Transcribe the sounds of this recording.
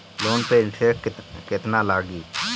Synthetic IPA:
loːnpeɪnʈʰeːkɪt̪naːlaːɡiː

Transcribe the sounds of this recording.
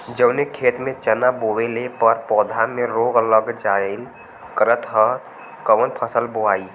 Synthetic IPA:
d͡ʒəʊnekʰet̪mẽt͡ʃənabowelepəɾpɔːd̪ʱameɾoɡələɡd͡ʒal | kəɾət̪ɦə | kəʋənpʰəsəlboai

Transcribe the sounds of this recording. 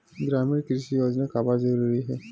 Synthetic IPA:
ɡɾaːmiɾkɾɪʃijoːd͡ʒnakaːbazɐɾuːɾiɦɛː

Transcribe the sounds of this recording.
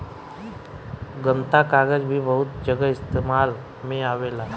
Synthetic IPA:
ɡənt̪akaɡəd͡ʑbʱiːbəɦut̪d͡ʑəɡəist̪emal | meaʋela

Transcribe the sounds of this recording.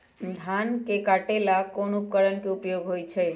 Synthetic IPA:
d̪ʱankekaʈelakonup̚kəɾənkeupjoɡʱɦojt͡ʃʰɛ

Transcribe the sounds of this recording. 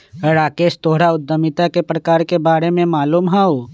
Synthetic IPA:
ɾaːkeːʃt̪oːɦɽaʊd̪ːəmɪt̪akepɾəkaːɾkebaːɾemẽmaːluːmɦɛo

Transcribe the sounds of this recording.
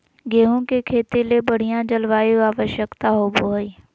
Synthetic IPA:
ɡeːɦõkekʰeːt̪elebəɽ̤ijãd͡ʒəlʋaːjoaːʋəʃjəkt̪aɦoːboɦəi

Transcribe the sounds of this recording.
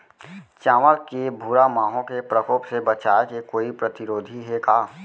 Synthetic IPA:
t͡ʃaːməlkebʱuːɾamaːɦõkepɾəkoːpsebət͡ʃaːekekoːipɾət̪ɪɾoːd̪ʱiɦɛkaː

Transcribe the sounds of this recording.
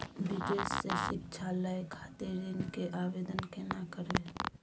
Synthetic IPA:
bɪd̪eːsːesɪkt͡ʃʰaləjkʰaːt̪eɾinkeʔaʋeːd̪ənkenakəɾe

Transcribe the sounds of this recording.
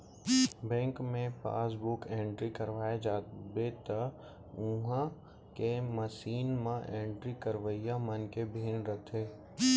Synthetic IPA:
bɛ̃ːŋkmẽpa̰ːsbʊkẽːɳʈɾikəɾʋaːed͡ʒaːt̪bet̪ə | ʊ̃ɦã | keməʃiːnmãʔẽːɳʈɾikəɾʋəijamənkebʱiːnɾət̪ʰeː

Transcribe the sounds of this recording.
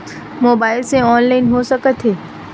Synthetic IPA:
moːbaːɪlsẽɔːnlaːɪnɦosəkət̪ʰɦeː

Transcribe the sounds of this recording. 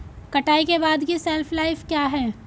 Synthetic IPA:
kɐʈaːikebaːd̪kiseːlfʰlaːɪfkjaːɦɛː

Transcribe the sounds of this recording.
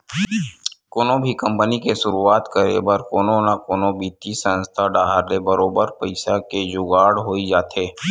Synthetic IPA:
koːnõbʱikə̃mpənikesʊɾuaːt̪kəɾḛbəɾkoːnõnakoːnõbʱiːt̪isə̃nst̪ʰaɖaːɦəɾlebəɾoːbəɾpəɪsaked͡ʒʊɡaːɽɦoːid͡ʒaːt̪eː

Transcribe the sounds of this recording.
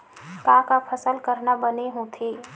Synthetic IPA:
kãːkapʰəsəlkəɾnabəneɦũt̪ʰiː

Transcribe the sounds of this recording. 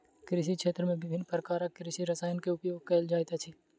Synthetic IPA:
kɾɪʃ̬ikʃeːt̪ɾəmẽʋɪbʱɪnːpɾəkaːɾakɾɪʃiɾɐsaːjənkeʊpjoːɡ̚kɛːld͡ʒaːjt̪at͡ʃʰiː

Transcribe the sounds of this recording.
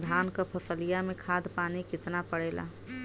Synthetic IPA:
d̪ʱankəpʰəsəlijamekʰad̪panikɪt̪napəɽɛla̰

